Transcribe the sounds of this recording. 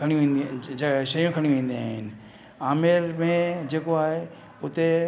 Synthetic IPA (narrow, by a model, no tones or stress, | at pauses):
kʰɐɽ̃jũʋẽːnd̪ʃɐjũkʰɐɽ̃iũʋẽːn̆d̪iaːɦɪnɪ̆ | aːmɪɾmẽd͡ʒeːkoaːɦe | ʊt̪e